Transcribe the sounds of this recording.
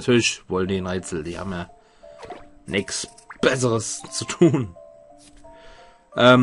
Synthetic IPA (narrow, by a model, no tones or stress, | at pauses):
atʰyːɐlɪçvɔləndiːnʁɛːt͡sl̩d̥iːha̰ːbm̩ja | nʔɪks | b̥ɛs̬əʁəst͡sutʰuːn | ʔɛːm